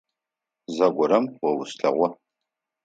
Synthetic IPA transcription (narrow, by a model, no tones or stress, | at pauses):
zɐɡʷɔɾɐmwɔwʊsɬɐ̰ʁʷɔ